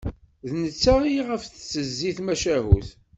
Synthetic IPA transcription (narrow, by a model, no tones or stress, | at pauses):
ðnət͡sːaiʁəfθst͡sːəzːiθmæʃæɦṵθ